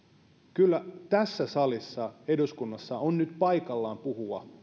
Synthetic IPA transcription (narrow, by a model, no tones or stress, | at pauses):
kylːæt̪æsːæsɑlisːɑeduskunːɑsːɑonnyt̪pɑikɑlːɑːmpuɦuɑ